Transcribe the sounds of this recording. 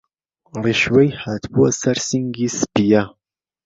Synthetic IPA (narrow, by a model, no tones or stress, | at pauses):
riʃwɛjħat̪ʰbuɐsɐɾsiŋɡispija